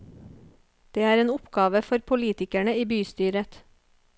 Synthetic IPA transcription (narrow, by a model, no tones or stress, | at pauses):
d̪̥eːæːɾeːnʊpɡɑːʋəfɔɾpʰʊliːt̪ɪkæɳəiːbyːst̪yːɾət̪